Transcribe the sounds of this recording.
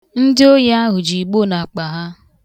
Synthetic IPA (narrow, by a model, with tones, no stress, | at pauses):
n̩˦dɪ˦o˦ja˦ɦʊ˨d͡ʒi˨ɡ͡bo˦˨na˨k͡pa˨ɦa˦